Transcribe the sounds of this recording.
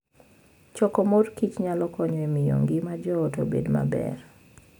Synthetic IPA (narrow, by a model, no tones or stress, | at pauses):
t͡ʃɔkɔmorkit͡ʃɲalɔkɔɲɔemɪjo̰ŋɡɪmad͡ʒɔoto̰bḛdma̰bɛ̰r